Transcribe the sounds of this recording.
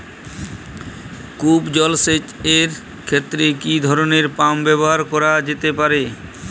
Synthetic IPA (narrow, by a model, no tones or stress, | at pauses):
kupd͡ʑɔlset͡ɕeɾ | kʰet̪ːɾekid̪ʱɔɾoneɾpambɛboɦaɾkɔɾad͡ʑet̪epaɾe